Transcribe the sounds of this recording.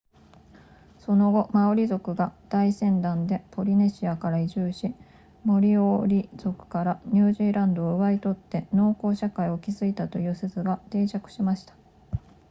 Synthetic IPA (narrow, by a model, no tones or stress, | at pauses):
so̞no̞ɡo̞maoɾʲizo̞kɯ̟ɡad̪̥aisẽ̞nd̪ãnd̪e̞pʰo̞ɾʲine̞ɕiakaɾaiʑɨːɕi | mo̞ɾʲioɾʲiz̥o̞kɯ̟̥kaɾaɲ̟ɨːʑiːɾãnd̪o̞ːɯ̟βait̪o̞t̪ːe̞no̞ːko̞ːɕakaio̞kʲizɨit̪at̪o̞jɯ̟ːsezɨɡat̪e̞ːt͡ɕakɯ̟̥ɕimaɕi̥t̪ḁ